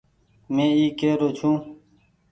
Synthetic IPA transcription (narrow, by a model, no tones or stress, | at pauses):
mẽːiːkeːɾoːt͡ʃʰũː